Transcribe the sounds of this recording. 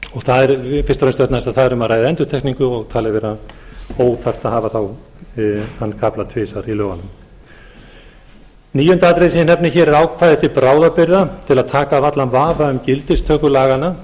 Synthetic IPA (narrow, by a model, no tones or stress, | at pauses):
ɔɣθaðɛɾfɪr̥t̪ɾenst̪ɛt̪nast̪aðθaðɛɾʏmaðɾaːjðaɛnt̪ʏɾ̥t̪ʰɛkniŋkʏɔɣt̪ʰaːlɪvɛːɾaoːwθar̥t̪aðhaːvaθaw | hanːkʰaplat̪ʰvɪːsaɾilœːɣanʏm | niːjʏnt̪at̪ɾesinɛpnɪçɛːɾɛɾaːwkʰvajðɪht̪ɪpɾaːwðapɪɾðat̪ʰɪlaðt̪ʰaːkavat̪lanvaːvaʏmcɪlt̪ɪst̪ʰœːkʏlaːɣana